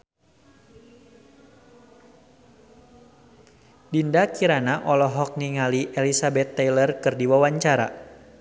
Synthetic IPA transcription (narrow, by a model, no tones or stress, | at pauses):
dindakiɾanaʔɔlɔɦɔk̚niŋaliʔelisabɛt̪ːɛjlərkɨrdiwawaɲt͡ʃaɾa̰